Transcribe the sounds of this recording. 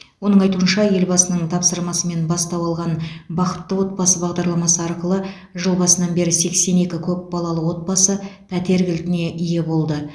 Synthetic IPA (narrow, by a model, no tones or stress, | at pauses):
wo̞nəɴɑjt̪uənʃɑje̞lbɑsənəɴt̪ʰɑpsəɾmɑsəme̞nbɑst̪ɑwɑlˠʁɑnbɑqət̪ːəwo̞t̪̚bɑsəbɑʁd̪ɑɾlˠɑmɑsəɑɾqəlˠə | ʒəlˠbɑsənɑnbe̞ɾɪse̞kse̞ne̞kʲɪkʲʰɵp̚bɑlˠɑlˠəwo̞t̪̚bɑsəpʰæt̪e̞ɾɡʲɪlt̪ɪne̞ʔɪje̞bo̞lˠd̪ə